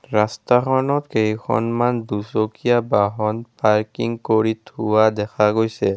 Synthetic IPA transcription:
ɹastaxʰɔnɔtkejkʰɔ̰nmandusokijabaɦɔnpaɹkiŋkoɹitʰuwadɛkʰaɡojsɛ

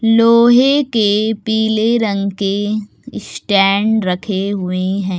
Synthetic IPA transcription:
loːɦekepiːleɾə̃ŋɡke | sʈɛːɳɖɾɐkʰeɦʊeɦɛ̃ː

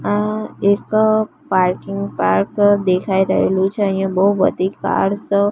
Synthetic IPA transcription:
aek | paɾkɪŋɡpaɾkd̪ekʰaiɾəɦelũt͡ʃʰeə̃ɦĩjə̃bəɦuʋə̰t̪ika̰ɽsə

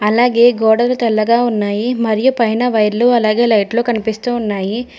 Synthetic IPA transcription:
ɐlaːɡe̞ːɡɔːɽɐlut̪ɛlːɐɡaːunːaːjimɐɾijupɐjnɐʋɐjɾluɐlaːɡe̞ːlɐjʈlo̞ːkɐnipist̪uːunːaːji

